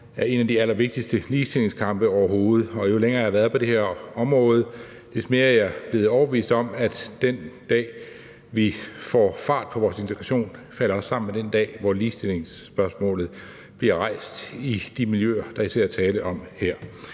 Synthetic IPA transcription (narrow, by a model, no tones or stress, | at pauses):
æɐe̝næd̥iæl̰ɐʋe̝ɡ̥̚d̥isd̥əliːsd̥ile̝ŋskʰɑ̈mb̥əɒʊɐɦo̝ːð̞̩ˠɒ̽jo̝leŋɐhæʋæɐðˠpʰɒ̽d̥e̝heɐɒ̽mʁɔ̽ːð̞̩ˠ | le̝sme̝ːɐæɐjɑb̥le̝ːð̞̩ˠɒʊɐb̥eʋḭːsd̥ɒ̽mæd̥d̥end̥ɛ̰ː | ʋifɒ̰fɑ̈ːd̥̚pʰɒ̽ʋɒːse̝nt͡sʰeɡ̥ʁɑ̈ɕo̝̰ːnfæl̰ɐɒ̽sːɑ̈m̰n̩med̥end̥ɛ̰ːʋɒliːsd̥ile̝ŋsb̥ɶɐsmɔ̰̽ːlð̩ˠ | b̥liɐʁɑ̈ɪ̰sd̥id̥imiljø̰ɐd̥ɑ̈isʰæɐæt͡sʰɛːləʔɒ̽mheɐ̰